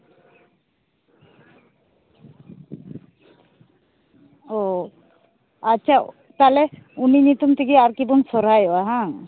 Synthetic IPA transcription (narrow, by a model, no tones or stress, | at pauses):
o | atːʃʰa | t̪alɛuninit̪umt̪ʰikiaɾkibɔŋsɔɾajɔaɦã